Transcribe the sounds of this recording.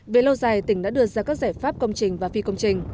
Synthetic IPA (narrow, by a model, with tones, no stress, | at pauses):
ve˨˩lə˧wzaː˨˩jt̪ï˧˩ŋɗa̰˧˥ɗɨ˧əzaː˧kaː˦˥k̚zaː˧˩jfaː˦˥p̚kə˧wŋ͡mt͡ɕï˨˩ŋ̟vaː˨˩fi˧kə˧wŋ͡mt͡ɕï˨˩ŋ̟